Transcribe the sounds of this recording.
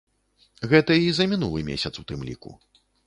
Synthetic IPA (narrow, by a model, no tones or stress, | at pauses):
ɣɛt̪ɐizɐmʲinulˠɨmʲḛsʲɐt̪sut̪ɨmlʲḭkṵ